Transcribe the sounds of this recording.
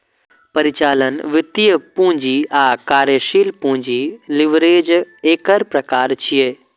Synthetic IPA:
pɐɾɪt͡ʃaːlənʋɪt̪ijəpũːɲd͡ʒiaːkaːɾjəʃiːlpũːɲd͡ʒilɪʋɾeːd͡ʒeːkəɾpɾɐkaːɾt͡ʃʰijeː

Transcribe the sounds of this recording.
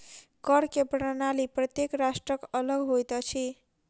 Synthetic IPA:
kʌɾkeprʌnaliprʌt̪jekrasʈrʌkʌlʌɡɦojt̪ʌt͡sʰi

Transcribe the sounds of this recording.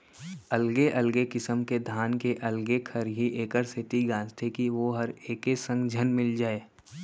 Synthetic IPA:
ɐlɡeʔɐlɡekɪsəmked̪ʱaːnkeʔɐlɡekʰɐɾɦiʔeːkəɾsɪt̪iɡãːd͡ʒt̪ʰekiʋoɦɐɾeːkesə̃ŋɡd͡ʒʱənmɪld͡ʒaːeː

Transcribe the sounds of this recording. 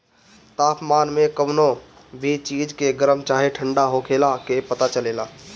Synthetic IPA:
t̪apmanmekəbno | bʱit͡ʃid͡ʒkeɡəɾəmt͡ʃaɦeʈʰəɳɖaɦokʰelakepət̪at͡ʃəlela

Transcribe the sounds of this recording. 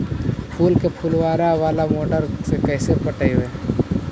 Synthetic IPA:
pʰuːlkepʰuːlwaːɾaʋaːlamoːʈəɾsekɛːsepəʈəiweː

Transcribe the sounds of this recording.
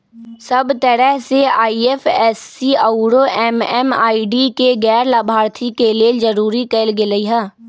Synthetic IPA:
səbt̪əɾɛɦseaːiefʰɛːsːiauɾoʔɛmɛːma̰ːiɖikeɡɛːɾlaːbʱaːɾt̪ʰikeled͡ʒəɾuːɾikeːlɡɪləiɦɛː

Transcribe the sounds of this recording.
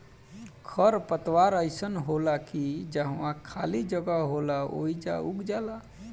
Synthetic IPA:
kʰəɾpət̪waɾəɪsənɦolakid͡ʒəɦwãkʰalid͡ʒəɡaɦolao̰id͡ʒa̰uɡd͡ʒala

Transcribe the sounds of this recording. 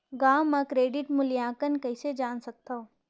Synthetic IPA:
ɡaːmːɐkɾeːɖɪʈmʊljaːkənkɐɪsed͡ʒaːnsɐk̚t̪ao

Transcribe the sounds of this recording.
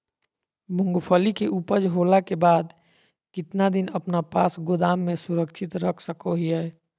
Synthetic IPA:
mʊ̃ŋɡpʰoːlikeʔuːpəd͡ʒɦoːlakebaːd̪ | kɪt̪nad̪ɪnəpnapaːsɡʊd̪aːmːẽsʊɾəkʃʰɪt̪ɾəkʰsəkoɦiɛː

